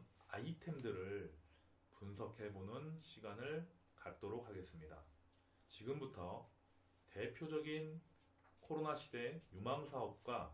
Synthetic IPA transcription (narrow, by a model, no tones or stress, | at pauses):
aitʰe̞mdɯɾɯɭ | punsʰʌkʰe̞bonɯnɕʰiɡanɯɭ | kat̚t͈oɾok̚haɡe̞s͈ɯmɲida̰ | t͡ɕiɡɯmbutʰʌ | te̞pʰjod͡ʑʌɡin | kʰoɾonaɕʰi̥de̞jumaŋsʰaʌp̚k͈wa